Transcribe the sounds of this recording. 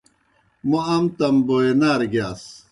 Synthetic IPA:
moɐmt̪ɐmboenaːɾɡjaːs

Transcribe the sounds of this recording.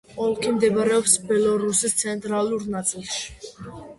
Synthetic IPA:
ɔlkʰimd̪ɛbaɾɛɔpsbɛlɔɾusist̪sʰɛnt̪ʼɾaluɾnasʼilʃ

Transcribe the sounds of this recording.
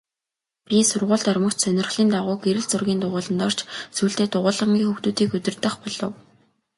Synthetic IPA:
pʲisʊrʁʊːɮt̪œrmə̆kt͡ɕsœnʲɪ̆rχɮiːnt̪aʁʊːɡeɾɘ̆ɮt͡sʊrɣʲiːnt̪ʊʁʊːɮə̆nt̪ɔr̥t͡ɕsuːɬt̪eːt̪ʊʁʊːɮə̆mɡʲiːŋxuxt̪uːt̪iːkɵt̪ɵ̆rt̪ə̆χpɔɮɞ̆w

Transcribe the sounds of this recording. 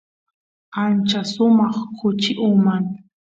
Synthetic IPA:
ant͡ʃasʊmɑχkʰʊt͡ʃɪʔʊmaŋ

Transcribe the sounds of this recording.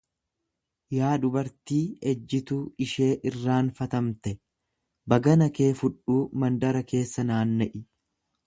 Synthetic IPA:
jaːᶑ̪ʊbɐɾt̪iːɛd͡ʒːɪt̪uːɪʃe̞ːʔɪrːaːnfɐt̪ɐmt̪ɛ | bɐɡɐnɐke̞ːfʊᶑuːmɐnd̪ɐɾɐke̞ːsːɐnaːnːɛʔɪ

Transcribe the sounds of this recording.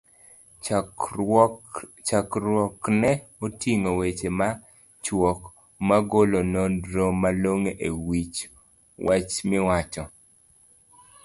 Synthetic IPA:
akɾɔknɛ | otiŋowet͡ʃema | t͡ʃwɔk | maɡolonoɾomaloŋeʔewit͡ʃ | wat͡ʃmɪwat͡ʃɔ

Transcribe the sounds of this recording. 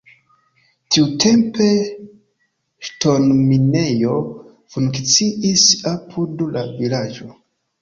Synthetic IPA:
tiutʰe̞mpe̞ | ʃto̞nminejo̞ | fuŋkt͡siʔisapʰudlavilad͡ʒo̞

